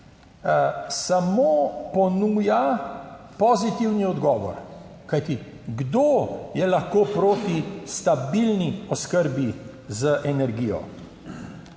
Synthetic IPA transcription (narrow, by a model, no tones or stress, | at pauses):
samoːpɔnuːja | pɔzit̪iwniɔd̪ɡɔːʋɔ̰ɾ | kajt̪i | ɡd̪oːjɛlaxkoːpɾoːt̪ist̪abilniɔskəɾbi | zəʔɛnɛɾɡiːjɔ̰